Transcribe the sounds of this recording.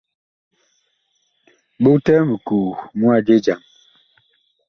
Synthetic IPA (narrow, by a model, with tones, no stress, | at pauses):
ɓo˦ktɛ˦mə˨kuː˨mu˦a˦˨d͡ʒe˦d͡ʒa˨m